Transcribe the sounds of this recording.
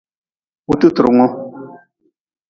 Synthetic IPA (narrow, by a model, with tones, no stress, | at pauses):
u˦t̪u˦t̪ɾu˨ŋɔ̃˦